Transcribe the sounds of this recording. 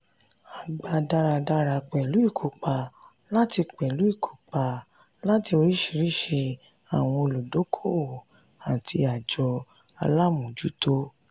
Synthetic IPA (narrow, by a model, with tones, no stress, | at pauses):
a˨ɡ͡ba˨da˧ɾa˧da˧ɾa˧k͡pɛ˨lu˨˦i˦˨kʰo˨k͡pa˨ | la˦ti˧k͡pɛ˨lu˨˦i˦˨kʰo̥˨k͡pa˨ | la˦ti˧o˧ɾi˦ʃi˧ɾi˦ʃe˧ | a˨w̃ɔ̃˧o˧lu˨do˨˦kʰo˦˨ | a˨ti˧a˨d͡ʒɔ˧ | a˧la˦mũ˨d͡ʒu˨˦to˦